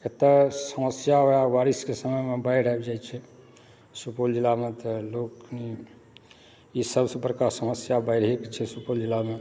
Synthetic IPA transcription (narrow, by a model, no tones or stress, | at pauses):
ket̪asəməsjaɦoaʋaɾiskesəməjmebajɾ̤aebd͡ʒajt͡ʃʰɛ | supold͡ʒilːamet̪ɔlokni | isəbsə̃pəɾkasəməsjabaɪɽɦeket͡ʃʰɛsupold͡ʒilːame